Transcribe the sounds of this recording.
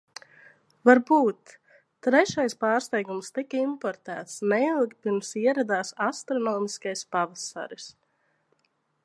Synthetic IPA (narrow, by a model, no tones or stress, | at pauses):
vaɾbuːt̪ː | ɾɛʃajspɑːɾst̪ɛjɡumst̪ikəimpɔɾt̪æːt̪snɛilˠkpiɾmsiɛɾad̪aːsast̪ɾɔnɔːmiskajspavasa̰ɾis